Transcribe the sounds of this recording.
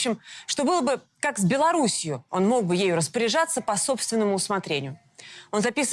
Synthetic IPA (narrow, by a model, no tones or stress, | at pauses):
ɕɪmʂt̪o̞bɨlˠəbɨ | kakzʲbʲɪlˠɐɾusʲɪjʊo̞nmo̞ɡ̚bɨjejʊɾəspəɾʲɪʐat̪sːəpɐso̞pst̪vʲɪnːəmʊːsmɐt̪ɾʲenʲɪjʊ | o̞nzɐpʲis